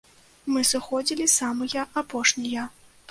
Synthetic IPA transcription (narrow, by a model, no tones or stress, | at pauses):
mɨsɨxɔd͡zʲilʲisamɨjɐʔapɔʂnʲijɐ